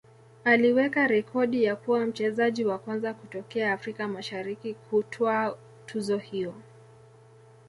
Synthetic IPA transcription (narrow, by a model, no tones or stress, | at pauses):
aliwɛkaɾɛkʰɔɗijakuwam̩t͡ʃɛzaʄiwakwanzakutɔkɛaːfɾikamaʃaɾikikʰutʰɔa | tʰuzɔhijɔ